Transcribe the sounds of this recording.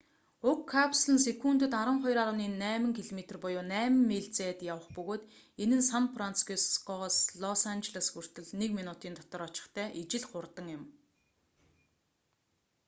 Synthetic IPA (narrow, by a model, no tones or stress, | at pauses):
ʊkʰːapsɮə̆nsekunt̪ɵ̆t̪aɾə̆ŋχɔjraɾə̆wniːnːæːmə̆ŋkʰiɮomet̪rpɔjʊːnæːmɘ̆mːeɮt͡seːt̪jawə̆χpɵɣoːt̪ | enɘ̆nsampʰran̥t͡sɡuskɔsɮɔsant͡ɕeɮə̆sxur̥t̪ɘ̆ɮnekminut̪iːnt̪ɔt̪ɞ̆rɔt͡ɕɪ̥̆χt̪ʰæːʔit͡ɕɪ̆ɮχʊrt̪ə̆ŋjɪ̆m